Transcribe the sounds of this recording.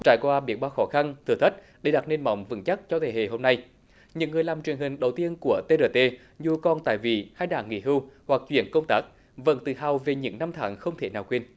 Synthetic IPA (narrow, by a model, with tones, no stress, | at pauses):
t͡ɕa̰ː˧˩jkwaː˧ɓi˨˩˦ɓaː˧wxɔ˧˦xa˧nt̪ʰɨ˧˨ət̪ʰə˦˥t̚ | ɗe˧˩ɗa˨˩t̚ne˧nmɔ̰˧˨wŋ͡mvɨ̰˧˥ŋt͡ɕa˦˥k̚t͡ɕɔ˧t̪ʰe˧˩hḛ˧˨ɦo˧mna˧j | ɲɨ̰˧˥ŋːɨ˨˩əjlaː˨˩mt͡ɕwi˨˩əŋhï˨˩ŋ̟ɗə˨˩wt̪i˧ənku˧˩ət̪e˧ɗəː˧˩t̪e˧ | zu˧˩kɔ˧nt̪a̰ː˧˨jvḭ˧˨haː˧jɗa̰ː˧˨ŋŋḭ˧˥ɦɨ˧whwa˨˩k̚t͡ɕwḭ˧˩ənkə˧wŋ͡mt̪aː˦˥k̚ | və̰˧˥nt̪ɨ̰˧˩ha˨˩wve˨˩ɲɨ̰˧˥ŋna˧mt̪ʰa̰ː˨˦ŋxə˧wŋ͡mt̪ʰe˧˩naː˨˩wkwe˧n